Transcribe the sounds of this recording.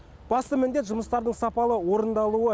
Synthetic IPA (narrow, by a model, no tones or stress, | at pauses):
b̥ɑst̪əmɪnd̪e̞t̪ʒʊməst̪ɑɾd̪əɴsɑpɑlˠəwo̞ɾənd̪ɑlˠuə